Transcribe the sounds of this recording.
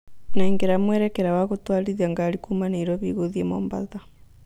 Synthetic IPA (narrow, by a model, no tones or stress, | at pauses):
nɛŋɡeɾamwɛɾɛkɛɾawaɣotwaɾiðiaŋɡaɾikumaniɾɔβiɣoðiɛmɔ̰mba̰ða